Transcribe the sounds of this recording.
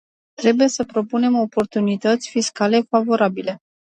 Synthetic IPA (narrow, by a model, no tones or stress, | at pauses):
t̪ɾe̞buje̞səpɾo̞pune̞mo̞po̞rt̪unit̪ət̪sʲfiskale̞favo̞ɾabile̞